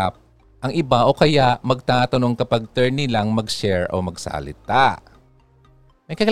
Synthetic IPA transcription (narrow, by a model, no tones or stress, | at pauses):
ap̚ | ʔɐŋʔɪbaʔo̞kɐjaʔmɐɡ̚t̪aːt̪ɐnoŋkɐpaɡ̚t̪ɛɹnɪlaŋmɐɡʃɛɹʔo̰mɐɡsɐ̰lɪ̰t̪aʔ | mɐjkɐ